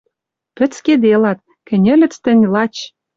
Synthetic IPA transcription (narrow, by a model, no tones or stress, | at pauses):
pɘ̆t͡sked̪elɑt̪̚ | kɘ̆nʲɘ̆lʲɘ̆t͡st̪ɘ̆nʲlɑt͡ɕ